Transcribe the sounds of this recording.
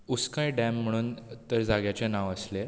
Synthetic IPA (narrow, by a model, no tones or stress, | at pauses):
uskə̃jɖɛ̃m̤ːəɽ̃uːnt̪əɾd͡zaɡjat͡ɕenaʋəsle